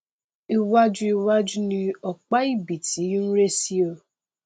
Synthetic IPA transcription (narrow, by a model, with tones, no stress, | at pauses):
i˦wa˦d͡ʒʊ˦i˦wa˦d͡ʒu˦ni˨ɔ˨k͡pa˦i˦bi˨ti˨˦n̩˦ɾe˦si˦o˦˨